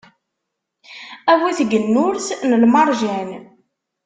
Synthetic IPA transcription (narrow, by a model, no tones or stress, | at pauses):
æwiθɡənːʊɾθnəlmɑɾˤʒæn